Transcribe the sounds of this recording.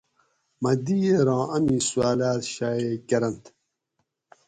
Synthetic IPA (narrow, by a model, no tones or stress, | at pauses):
mɐd̪ijeɾɑ̃ːʔɐmiːsuaːlaːt̪ɕaːekɐɾɐnt̪